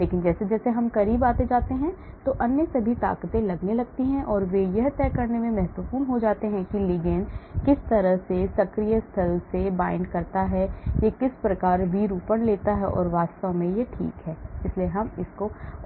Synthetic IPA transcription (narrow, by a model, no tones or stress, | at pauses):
leːkɪnd͡ʒɛːsed͡ʒɛːseɦɐmkɐɾiːbaːt̪ed͡ʒaːt̪eɦɛ̃ | t̪oʔɐnjəsɐbʱit̪a̰ːkt̪ẽlɐɡnelɐɡ̚t̪iɦɛ̃ʔɔːɾʋejɐɦt̪ɛːkɐɾnemẽmɛɦt̪əfuːnɦod͡ʒaːt̪eɦɛ̃kiliɡɛːnkɪst̪ɐɾəɦsesɐkɾijəst̪ʰɐlsebaːɪ̃ɳɖkɐɾt̪aɦɛjekɪspɾɐkaːɾʋiːɾuːpənleːt̪aɦɛʔɔ̰ːɾʋaːst̪əõmẽjeʈʰḭːkɦɛːɪslieɦɐmɪsko